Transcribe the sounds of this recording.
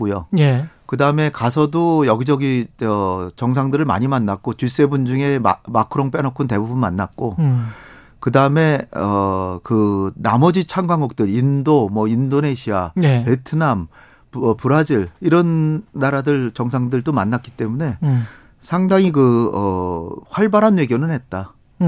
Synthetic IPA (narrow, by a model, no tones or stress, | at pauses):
k͈ujojekɯdaɯme̞kasʰʌdojʌɡid͡ʑʌɡiʌt͡ɕʌŋs̬ʰaŋdɯɾɯɭma̰ɲimanːak̚k͈ot͡ɕuɭs͈e̞bund͡ʑuŋe̞makʰɯɾoŋp͈enʌkʰunte̞bubunmanːat̚k͈o | kɯdaɯme̞ʌkɯnamʌd͡ʑit͡ɕʰaŋɡaŋɡuk̚t͈ɯɾindomʌindone̞ɕʰiapetʰɯnam | ʌpuɾad͡ʑiɭiɾʌnːaɾadɯɭt͡ɕʌŋsʰaŋdɯɭtomanːak͈i̥t͈e̞mune̞ | sʰaŋdaŋikɯʌɸwaɭbaɾɦanwe̞ɡjonɯnɦe̞t̚t͈a